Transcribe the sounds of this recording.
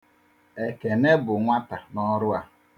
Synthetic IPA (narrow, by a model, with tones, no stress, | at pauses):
e˨ke˨ne˦bʊ˨ŋʷa˦ta˨nɔ˦ɾʊ˦a˦